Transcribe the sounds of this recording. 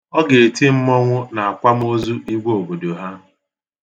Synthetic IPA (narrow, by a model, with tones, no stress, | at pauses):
ɔ˦ɡe˨e˨ti˦m̩˦mɔ˦ŋʷʊ˦na˨a˨kʷa˦m̩˦o˦zu˦ʔi˦ɡʷo˨bo˨do˨ɦa˦